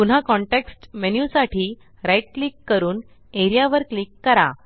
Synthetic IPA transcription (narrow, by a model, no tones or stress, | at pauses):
pun̤akɔɳʈeksʈmenjulsaʈʰiː | ɾajʈ̚klikːəɾuːn | eɾijaʋəɾklikːəɾa̰